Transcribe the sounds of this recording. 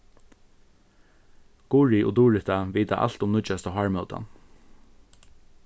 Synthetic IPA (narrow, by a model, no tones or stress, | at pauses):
ɡ̥uːɹiʔʊd̪uːɹɪt̪aʋiːt̪aʔa̰l̥t̪ʊmnʊt͡ʃast̪ɔɦaːɹmœwt̪a̰n